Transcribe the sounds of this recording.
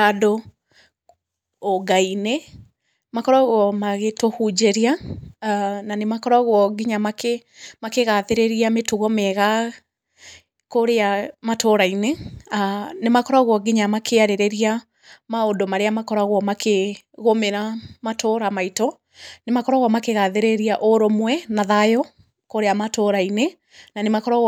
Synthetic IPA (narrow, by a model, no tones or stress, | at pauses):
ado | ɡaine | makɔɾaɣwɔmaɣetohud͡ʑeɾia | nanemakɔɾaɣwɔɡiɲamake | makeɣaðeɾeɾiametuɣɔmɛɣa | koɾeamatoɾaine | nemakɔɾaɣwɔɡiɲamakʰeaɾeɾeɾia | maodomaɾeamakɔɾaɣwɔmakʰe | ɣomeɾamatoːɾamaitɔ | nemakɔɾaɣwɔmakeɣaðeɾeɾiaʔoɾomwɛnaðajɔ | koɾeamatoɾaine | nanemakɔɾaɣ